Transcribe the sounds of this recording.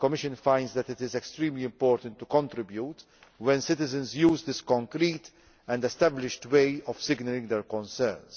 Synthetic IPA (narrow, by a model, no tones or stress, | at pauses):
kɔmɪʃə̃nfãɪndzd̪æt̪ɪt̪ɪzɛkst̪ɾĩːmliɪ̃mpɔːɾt̪ə̃nt̪ːukɔ̃nt̪ɾɪbjuːt̪ | wɛ̃nsɪt̪ɪzə̃nzjuːzd̪ɪskɔ̃ŋkɾiːt̪ | ɛ̃ndɛst̪æblɪʃtweɪɔfsɪɡnəlɪ̃ŋɡd̪ɛɾkɔ̃nsɛɾns